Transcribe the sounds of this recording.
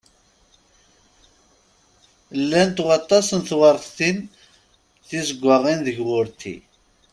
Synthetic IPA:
lːænt̪ʊʁɑt̪ˤːɑsənθwəɾˤθθin | θisəɡʷːəʁinðəʝwʊɾt̪ḭ

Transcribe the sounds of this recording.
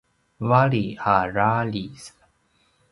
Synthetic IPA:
valihaɾalis

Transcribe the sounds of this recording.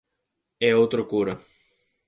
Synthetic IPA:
ɛowt̪ɾʊkuɾɐ

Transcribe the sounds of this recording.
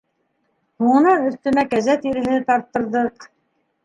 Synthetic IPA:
huɴɤ̆nɑnɵ̆θt̪ɵ̆mækæzæt̪iɾɘ̆ɦɘt̪ɑɾt̪ːɤ̆ɾðɤq

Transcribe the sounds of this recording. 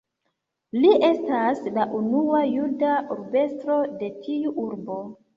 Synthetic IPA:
liʔe̞staslaʔunuajudaʔuɾbe̞stɾo̞de̞tʰiuʔuɾbo̞

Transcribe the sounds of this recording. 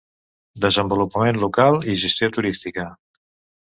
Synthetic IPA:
d̪əzəmbulupəmenlukalˠiʒəst̪jot̪uɾist̪ikə

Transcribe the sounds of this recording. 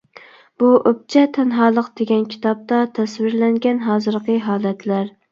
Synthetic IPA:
b̥uʔøp̚t͡ʃʰɛt̪ʰɛnɦɑːlˠəqd̪̥eɡʲɛnkʲʰi̥t̪ʰɑp̚t̪ɑt̪ʰɛswɪɾlɛŋɡʲɛnɦɑːzɨɾqʰəɦɑːlˠɛt̪ʰlæɾ

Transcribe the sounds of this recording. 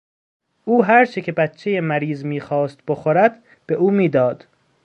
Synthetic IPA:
ʔuːɦæɾt͡ʃʰecʰe̞bæt̪ʰt͡ʃʰːe̞jemæɾiːzmiːxɒːst̪̚boxoɾæd̪̥ | b̥e̞ʔuːmiːd̪ɒːd̪̥

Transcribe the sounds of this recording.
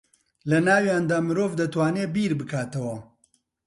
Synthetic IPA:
lɐnaːwjaːnd̪aːmɨɾoːvd̪ɐt̪waːneːbiːɾbɨkʰaːt̪ɐwɐ

